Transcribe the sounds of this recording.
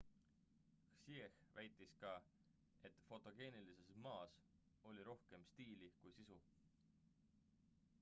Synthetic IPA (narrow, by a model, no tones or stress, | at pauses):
xsiexvæjt̪ːˑiskɑ | e̞t̪fo̞t̪ːˑo̞ɡ̥e̞ːnilise̞smɑːs | o̞lʲiɾo̞hke̞mst̪iːlikujsisu